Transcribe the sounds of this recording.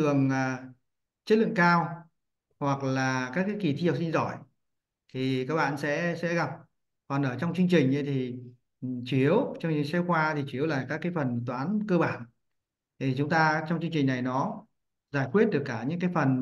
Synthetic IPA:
ɨ˨˩əŋː˨˩ | t͡ɕə˦˥t̚lɨ̰˧˨ŋkaː˧w | hwa˨˩k̚laː˨˩kaː˦˥k̚ːaː˨˦jki˧˩t̪ʰi˧ha˨˩w̚si˧nzɔ˧˩j | t̪ʰi˨˩kaː˦˥k̚ɓa̰ː˧˨nsɛ̰˧˥sɛ̰˧˥ɣa˨˩p̚ | kɔ˨˩nʔəː˧˩t͡ɕɔ˧wŋ͡mt͡ɕɨ˧ŋt͡ɕï˨˩ŋ̟ʔə˨˦jt̪ʰi˨˩ | t͡ɕwi˨˦əwt͡ɕɔ˧wŋ͡msɛ˧wxwaː˧t̪ʰi˨˩t͡ɕwi˨˦əwlaː˨˩kaː˦˥kːaː˨˦jfə˨˩nt̪̬waː˨˦nkəː˧ɓaː˧˩nʰ | i˨˩t͡ɕʊ˨˦ŋ͡mt̪aː˧t͡ɕɔ˧ŋ͡mt͡ɕɨ˧ŋt͡ɕï̟˨˩na˨˩jnɔ˨˦ | zaː˧˩jkwi˦˥ət̚ɗɨ˨˩əkːaː˧˩ɲɨ̰˧˥ŋkaː˨˦jfə˨˩n

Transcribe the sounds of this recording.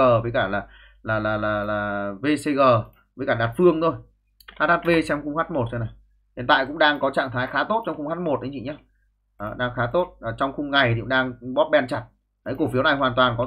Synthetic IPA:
əː˨˩vəː˨˦jkaː˧˩laː˨˩ | laː˨˩laː˨˩laː˨˩laː˨˩ve˧se˧ɣəː˨˩ | vəː˨˦jkaː˧˩ɗaː˨˩t̚fɨ˧əŋt̪ʰo˧j | haː˦˥t̚haː˦˥t̚ve˧sɛ˧m˧xʊ˧ŋ͡mhaː˦˥t̚mo˨˩t̚sə˧wna˨˩j | hḭ˨nt̪a̰ː˧˨jkʊ̰˧˥ŋ͡mɗaː˧ŋkɔ˨˦t͡ɕa̰ː˧˨ŋt̪ʰaː˨˦jxaː˨˦t̪o˦˥t̚t͡ɕɔ˧wŋ͡mxʊ˧ŋ͡mhaː˦˥t̚mo˨˩t̚ɗə˨˦t͡ɕḭ˧˨˩ɲaː˨˦ | ʔəː˨˩ɗaː˧ŋxaː˨˦t̪o˦˥t̚ːt͡ɕɔ˧wŋ͡mxʊ˧ŋ͡mŋa˨˩jt̪i˨kʊ̰˧˥ŋ͡mɗaː˧ŋɓɔ˦˥p̚ɓɛ˧nt͡ɕa˨˩t̚ | ɗə˨˦jko˧˩fi˦əna˨˩jɦwaː˨˩nt̪waː˨˩nkɔ˨˦

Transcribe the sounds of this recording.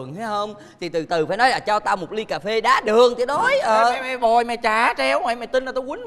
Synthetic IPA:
əŋha˨˦hə˧wŋ͡m | t̪ʰi˨˩t̪ɨ˨˩t̪ɨ˨˩faː˧˩˦nɔ˨˦laː˨˩t͡ɕaː˧wt̪aː˧wmo˨˩t̚li˧kaː˨˩fe˧ɗaː˨˦ɗɨ˨˩əŋt̪ʰi˨˧ə˦ɗɔ˨˦jʔəː˨˩mɛ˨˩vɔ˨˩jmɛ˨˩t͡ɕaː˨˩t͡ɕɛ˧wma˨˩mɛ˨˩t̪i˧nʔa˨˩t̪o˧˦kwi˨˦ŋ

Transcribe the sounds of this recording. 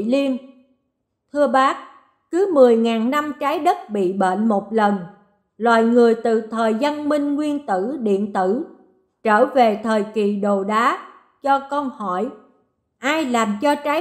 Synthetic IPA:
li˧ən | t̪ʰɨ˧əɓaː˦˥k̚ | kɨ˨˦mɨ˨˩əjŋaː˨˩nna˧mt͡ɕaː˨˦jɗə˦˥t̚ɓḭ˧˨ɓḛː˧˨nmo˨˩t̚lə˨˩n | lwa̰ː˧˨jŋɨ˨˩əjt̪ɨ̰˧˨t̪ʰəː˨˩jza˧nmï˧ŋ̟ŋwi˧ənt̪ɨ˧˩ɗḭ˧˨ənt̪ɨ˧˩ | t͡ɕəː˧˩ve˨˩t̪ʰəː˨˩jki˨˩ɗo˨˩ɗaː˨˦ | t͡ɕɔ˧kə˧ŋ͡mhɔ˧˩j | ʔaː˧jlaː˨˩mt͡ɕɔ˧t͡ɕaː˨˦

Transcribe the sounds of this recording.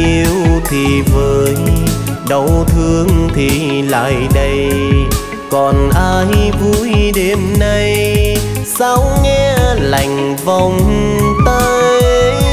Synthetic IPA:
i˧əwt̪ʰi˨˩vəː˨˦jɗə˨˦wt̪ʰɨ˧əŋt̪ʰi˨˩ | la̰ː˧˨jɗə˧j | kɔ˨˩nʔaː˧jvu˧˥jɗe˧˦mna˧j | saː˧˦wŋɛ˧la˨˧˩jŋ̟va˧˩wŋ͡m | t̪a˧j

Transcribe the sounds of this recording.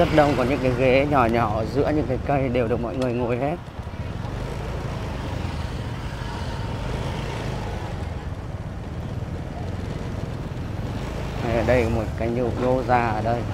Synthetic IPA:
ə˦˥t̚ɗə˧wŋ͡mkɔ˨˦ɲɨ̰˧˥ŋkaː˨˦jɣe˨˦ɲɔ˨˩ɲɔ˨˧˩zɨ̰˧˥əɲɨ̰˧˥ŋkaː˨˦jkə˧jɗe˨˩wɗɨ˨˩ək̚mɔ̰˧˨jŋɨ˨˩əjŋṵ˧˨jhe˦˥t̚ | ha˨˩jʔəː˨˩ɗə˧jmo˨˩t̚kaː˨˦jɲ˧˨ɲo˧zaː˨˩ʔəː˨˩ɗə˧j

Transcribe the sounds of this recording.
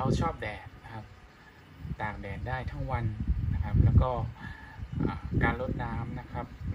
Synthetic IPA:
a˧wt͡ɕʰɔː˥˩p̚dɛː˨˩t̪̚kʰa˦˥p̚ | t̪aː˨˩k̚dɛː˨˩n̚daː˥˩jt̪ʰa˦˥ŋwa˧nna˦˥kʰa˦˥p̚lɛː˦˥wkɔː˥˩ | ʔa̰ː˨˩kaː˧nlo˦˥t̪̚naː˦˥mna˦˥kʰɾa˦˥p̚

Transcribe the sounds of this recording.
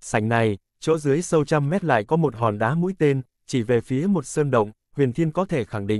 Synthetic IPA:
sa˧˩jŋ̟na˨˩j | t͡ɕo̰˧˦˥zɨ˨˦əjsə˧wt͡ɕa˧mːɛ˦˥t̚la̰ː˧˨jkɔ˨˦mo˨˩t̚ɦɔ˨˩nɗaː˨˦mṵ˧˥jt̪e˧n | t͡ɕi˧˩ve˨˩fi˨˦əmo˨˩t̚səː˧nɗə̰˧˨wŋ͡m | hwi˨˩ənt̪ʰi˧ənkɔ˨˦t̪ʰe˧˩xa˧˩ŋɗḭ˧˨ŋ

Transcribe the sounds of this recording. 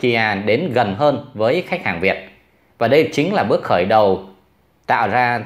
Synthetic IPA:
ki˧ʔaː˧˩ɗe˨˦nɣə˨˩nɦəː˧nvəː˨˦jxjk̟̚haː˨˩ŋvi˨˩ət̚ | vaː˨˩ɗə˧jt͡ɕï˨˦ŋ̟laː˨˩ɓɨ˦˥ək̚xəː˧˩jɗə˨˩w | t̪a̰ː˧˨wzaː˧

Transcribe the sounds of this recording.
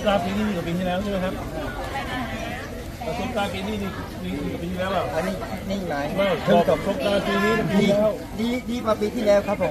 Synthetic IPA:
p̚laː˧piː˧niː˦˥˩i˧˩kɔ˧˩piː˧iː˥˩lɛː˦˥w̪a˧˥˩kʰa˦˥p̚a˧˩˧ | a˧˩sʰo˦˥p̚kaː˧npiː˧niː˥˩niː˧˩ | piː˧niː˧˩kɔ˧˩peː˧iː˥˧˩ɛː˦˥wla˨˧˩ʔa˧˩niː˥˩˦niː˥˩˨ma˨˧˩jma˥˩t̪ʰɯ˧˩ŋt̪o˨˩sʰo˦˥p̚kaː˧npiː˧niː˦˥˧diː˧lɛː˦˥˩w | diː˧diː˧maː˧piː˧iː˥˩lɛː˦˥wkʰɾa˦˥pʰːo˨˩˦m

